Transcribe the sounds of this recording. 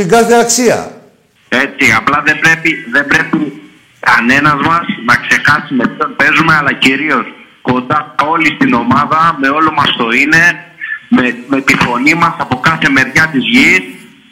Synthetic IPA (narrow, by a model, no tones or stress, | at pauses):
iɡɐθeɐksiɐ̰ | e̞t͡siɐplɐðe̞bɾe̞piðe̞mbɾe̞pi | kɐne̞nɐzmɐsnɐkse̞xɐsimepço̞npe̞zume̞ɐlɐciɾio̞s | ko̞nd̪ɐo̞list̪ino̞mɐðɐme̞o̞lomɐst̪o̞ine̞meme̞t̪ifo̞nimɐsɐpo̞kɐθe̞me̞ɾʝɐt̪izʝis